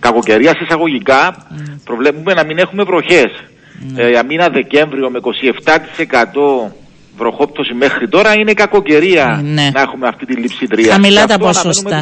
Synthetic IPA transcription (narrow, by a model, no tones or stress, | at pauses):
kɐko̞ce̞ɾiɐsisɐɣo̞ʝikɐpɾovlepume̞nɐmine̞xume̞vɾo̞çe̞s | ɐminɐðe̞ce̞ɱvɾio̞meiko̞sie̞ft̪ɐt̪i̥se̞kɐt̪o̞ | vɾo̞xo̞p̚t̪o̞sime̞xɾit̪o̞ɾɐinekɐko̞ce̞ɾiɐnnɐexumeɐft̪it̪ilːipsit̪ɾiɐɐmilɐt̪ɐpoosɐosum